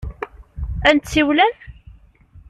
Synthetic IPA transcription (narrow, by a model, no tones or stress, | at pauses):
ænt̪t͡sːiwlæn